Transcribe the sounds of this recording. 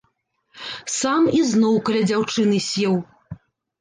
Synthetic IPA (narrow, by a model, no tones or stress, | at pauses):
samiznɔwkɐlʲɛd͡zʲawt͡ʂɨnɨsʲɛw